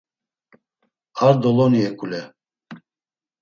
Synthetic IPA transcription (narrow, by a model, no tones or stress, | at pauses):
aɾd̪ɔlɔniɛkʼulɛ